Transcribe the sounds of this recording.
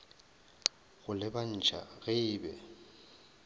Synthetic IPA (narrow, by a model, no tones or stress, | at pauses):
ɣʊlɪban̩t͡ʃʰa̰ɣɪːbɛ̰